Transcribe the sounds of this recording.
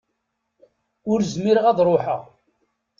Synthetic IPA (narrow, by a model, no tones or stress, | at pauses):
ʊɾzmiɾəʁæðˤɾˤoħə̰ʁ